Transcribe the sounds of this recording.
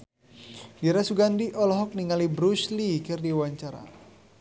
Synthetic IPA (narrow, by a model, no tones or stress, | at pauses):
diɾasuɡandiʔɔlɔɦɔk̚niŋalibɾuslikɪrdiwaɲt͡ʃaɾa̰